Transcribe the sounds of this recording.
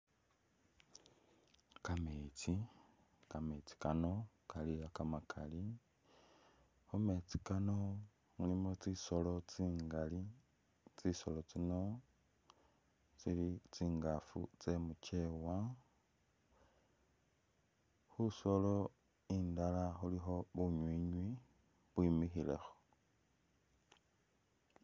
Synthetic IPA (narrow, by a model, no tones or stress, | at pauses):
kamet͡si | kamet͡si̥kano̞ | kaliakamakʰali | homet͡si̥kano̞ | ŋulimot͡sisolot͡siŋali | t͡sisolot͡sino̞ | t͡silit͡siːŋɡafṵt͡se̞mut͡ʃe̞wa | xuso̞lo̞ | iːndalaxulixo̞βuɲwiːɲwi | βwimixile̞̰xo̥